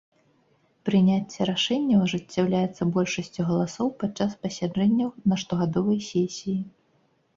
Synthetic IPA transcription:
pɾɨnʲat͡sʲːɛɾaʂɛnʲːɐwʐɨt͡sʲːawlʲajɛt̪sːɐbɔlʲʂɐsʲt͡sʲuɣɐlˠasɔwpatt͡ʂːaspɐsʲaʐɛnʲːɐwnɐʂt̪ɔɣad̪ɔvɐjsʲɛsʲiji

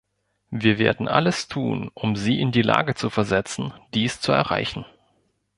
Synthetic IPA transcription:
viːɐveːɐdn̩ʔa̰ləstʰuːnʔʊmziːʔɪndiːla̰ːɡət͡sufɛɐzɛt͡sn̩d̥iːst͡suɛ̰ɐʁa̰ɪçn̩

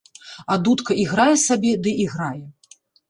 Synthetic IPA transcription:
ad̪ut̪kɐʔiɣɾajɛsabʲɛd̪ɨʔiɣɾajɛ

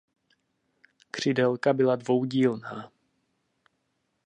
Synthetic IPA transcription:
kr̝̥ɪdɛlkabɪladvo̞wɟiːlnaː

